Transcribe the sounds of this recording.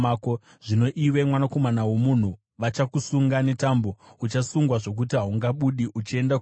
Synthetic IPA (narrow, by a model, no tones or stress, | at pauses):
ko | ʐ̥ino̞ʔiwe̞mwanako̞manawo̞mun̤u | ʋat͡ʃakusuŋɡane̞tambo̞ut͡ʃasuŋɡwaʐo̞k̬utiɦauŋɡaɓuɗiʔut͡ʃie̞nda